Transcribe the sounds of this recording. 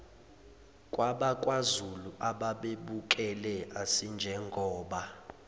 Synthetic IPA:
kʼwaɓakʼwazuluʔaɓaɓeɓukʼɛlɛasind͡ʒʱɛŋɡʱɔːɓa

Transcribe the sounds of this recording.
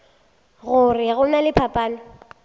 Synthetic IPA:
ɣʊrɪɣʊnalɪpʰapʼaːnɔ

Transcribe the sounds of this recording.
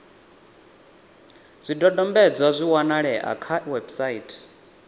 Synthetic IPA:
zʷidɔdɔmbɛd͡zwazʷiwanaɺɛʔa̰kʰawɛbsaitʼʰ

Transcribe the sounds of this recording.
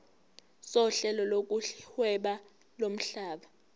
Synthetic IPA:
sɔɬɛlɔlok̬ʼuhwɛɓa | lom̩ɬaːɓa

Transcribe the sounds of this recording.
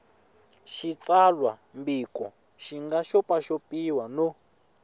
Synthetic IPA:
ʃit͡sʼalwambikʼɔ | ʃiŋɡaʃɔpʼaʃopiwano

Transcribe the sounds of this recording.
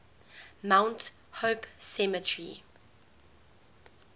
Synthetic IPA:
mãʊ̃nt | hopsɛmətʰɹi

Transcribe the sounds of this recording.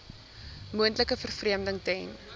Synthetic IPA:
muəntləkəfərfriəmdəŋtɛjn

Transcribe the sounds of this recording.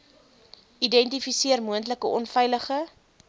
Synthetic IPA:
ʔidɛntifisiərmuəntləkəʔɔnfɛjləχə

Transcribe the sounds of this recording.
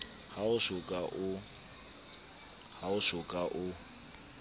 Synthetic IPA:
haʊʃʊkʼaʔʊ | haʊʃʊkʼaʔʊ

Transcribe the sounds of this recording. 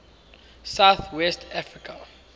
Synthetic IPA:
sawθwɛstʰafɹikʰa

